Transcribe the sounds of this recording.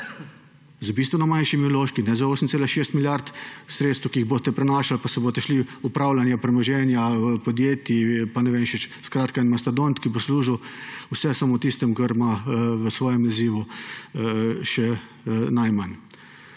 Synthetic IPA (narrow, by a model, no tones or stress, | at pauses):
zəbiːst̪ʋɛnɔmanʃimiloːʃkinɛzaoːsəm̩t̪seːlaʃeːst̪miljaɾt̪sɾet̪st̪wkiiɣboːst̪ɛpɾɛnaːʃalpasɛboːst̪ɛʃliupɾaːwlanjapɾɛmɔʒɛːnjapɔd̪jeːt̪ipanɛʋeːmʃɛt͡ʃskɾaːt̪kainmast̪ad̪ont̪kibosluːʒiwusɛsamot̪ist̪ɛmkəɾmaʋəsʋɔːjɛmaziːʋu | ʃɛ | najman